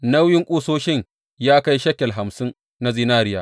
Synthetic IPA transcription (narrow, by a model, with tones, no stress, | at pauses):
na˦wjɪ˦ŋkʷʼuː˦soː˦ʃɪ˦˨ɲ | jaː˦ka˦jʃɐ˦kʲɛ˨lɦa˨msɪ˦n | na˦zi˦naː˦ɾɪ˦jaː˨